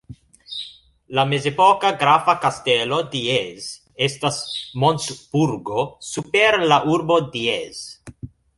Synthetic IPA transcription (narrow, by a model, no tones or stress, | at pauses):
lame̞zepo̞kaɡɾafakaste̞lo̞diez | e̞stasmonsb̥uɾɡo̞supeɾlaʔuɾbo̞diez̥